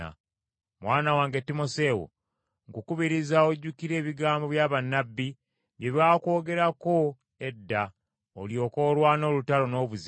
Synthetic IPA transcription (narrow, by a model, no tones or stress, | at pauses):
a̰ | mwʔaːnawaːŋɡetːimo̞se̞ːwo̰ | ŋɡukuβiɾizaoɟːukiɾe̞ːβiɡaːmbo̞βjaːβanːabːi | βje̞βjaːko̞ːɡe̞ɾako̞ | edːa | o̰ljo̞ːko̞ːlwaːno̞ːlutalo̞no̞ːβuz